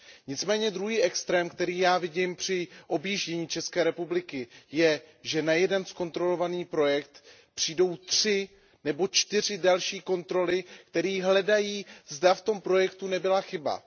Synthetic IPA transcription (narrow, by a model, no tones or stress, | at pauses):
ɲɪt͡smɛːɲɛd̪ɾuɦiːʔɛkst̪ɾɛːmkt̪ɛɾiːjaːvɪɟɪmpr̝̥ɪʔo̞bjiːʒɟɛɲiːt͡ʃɛskɛːɾɛpublɪkɪjɛʒɛnajɛdɛnsko̞nt̪ɾo̞lo̞vaniːpɾo̞jɛk̚t̪ | pr̝̥iːdo̞wt̪r̝̥ɪ | nɛbo̞t͡ʃt̪ɪr̝ɪdalʃiːko̞nt̪ɾo̞lɪkt̪ɛɾiːɦlɛdajiːzdaft̪o̞mpɾo̞jɛkt̪unɛbɪlaxɪba̰